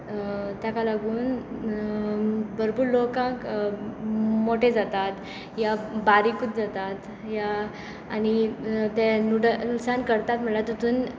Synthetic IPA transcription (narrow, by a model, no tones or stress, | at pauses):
t̪jakalaɡuːn | bəɾbuːɾlokãk | moʈed͡zat̪at̪ | jabaɾikut̪̚d͡zat̪at̪ | jaː | nit̪ɛ̃nuɽənuksankəɾt̪at̪m̤əɳlat̪ut̪ʰuːn